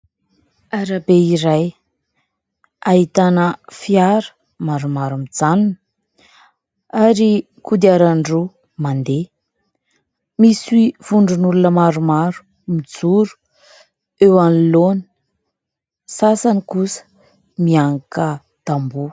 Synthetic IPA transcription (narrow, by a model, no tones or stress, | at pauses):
aɾabeiɾaj | aɦit̪anəfiaɾə̥ | maɾumaɾumid͡zanunə | aɾi | kud̪iaɾaɳɖ͡ʐu | mand̪e | miswiv̥uɳɖ͡ʐunulunəmaɾumaɾu̥ | mid͡zuɾu̥ | ewanilonə̥ | sasanikusə̥ | miaŋakə | d̪̥ambu